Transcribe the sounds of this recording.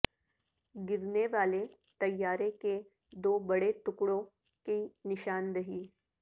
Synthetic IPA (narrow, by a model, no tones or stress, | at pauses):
ɡɪɾneʋaːle | t̪ɐjːaːɾeke | d̪oːbɐɽet̪ʊkɽõ | kinɪʃaːndɐɦiː